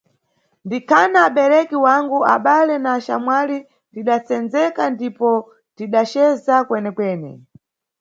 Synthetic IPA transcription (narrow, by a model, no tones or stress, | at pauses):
ndikʰanaːɓɛɾɛkiwaŋɡua̰ɓalɛnaːʃa̰mwali | tiɗat͡sɛnd͡zɛkandipɔ | tiɗat͡ʃɛzakwɛnɛkwɛːnɛ̰